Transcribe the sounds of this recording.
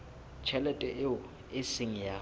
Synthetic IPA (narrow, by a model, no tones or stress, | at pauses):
t͡ʃʰɛlɛtʼɛʔɪʊ | ɪsɪŋ̩ja